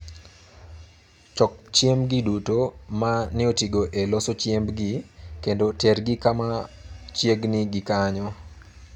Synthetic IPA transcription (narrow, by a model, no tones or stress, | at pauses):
t͡ʃɔk̚t͡ʃjemɡidutomanɪotiɡoʔelɔsot͡ʃjembɡikendoterɡɪkamat͡ʃjeɡnɪɡɪkaɲɔ